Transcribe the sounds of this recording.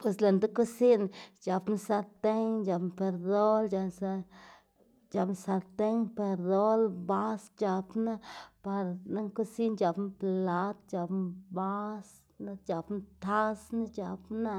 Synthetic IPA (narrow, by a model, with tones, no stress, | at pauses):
pwe˧sla˧nd̪a˦ku˦si˦nd͡ʒa˨˧pn˦sa˧ɾt̪e˦ŋd͡ʒa˧pnpe˧ɾd̪o˦ld͡ʒa˧sa˧ | d͡ʒa˧pn˧sa˧ɾt̪e˦ŋpe˧ɾd̪o˦lba˦sd͡ʒa˧pna˦pa˧ɾna˦ŋku˦si˦nd͡ʒa˨˧pnpla˧t̪d͡ʒa˧pnba˦s | nad͡ʒa˨pnt̪ʰa˦sna˦d͡ʒa˨˧pna˦